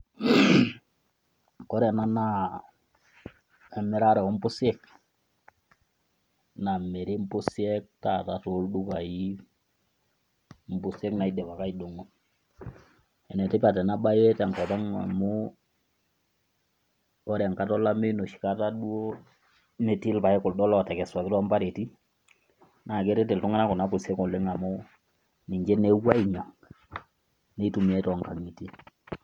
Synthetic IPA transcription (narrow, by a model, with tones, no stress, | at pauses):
kɔ˦ɾa˨na˦na˦ | ɛ˨mɛ˦ɾa˦ɾɛ˨ɔ˦m̩˦pʊ˦sɛ˦k̚ | na˨mɛ˨ɾe˦m˦pʊ˦si˦ɛ˦k̚ta˦ta˨to˨˦ldu˦ka˨i˦ | m̩˦pʊ˦sɛ˦kna˨i˦dɛ˨pa˨ka˦i˨do˨ŋo˨ | ɛ˨nɛ˨tɪ˦pa˨tɛ˨na˦ba˦jwɛ˦ta˨ŋkɔ˨ta˦ŋa̰˨mu˦ | ɔ˦ɾa˨ŋka˦tɔ˦la˦me˦no˨ʃi̥˨ka˦ta˦du˦o˦ | nɛ˨ti˦lpa˨ɛ˦kʊ˨ldɔ˦lɔ˦˨tɛ˨kɛ˨swa˨kɪ˦tɔ˦a˦mpa˦ɾe˨ti˦ | na˨ke˦ɾe˦tɪ˨ltʊ˦ŋa˦na˦kʊ˨na˦pʊ˨se˦kɔ˨lɪ˦ŋa˨mʊ˦ | ni˨ɲd͡ʒɛ˦ne˦wa˦i˨ɲɔ˨ŋ | nɛ˦tu˨mi˨ɛ˦tɔ˨ŋka˨ŋi˨ti˦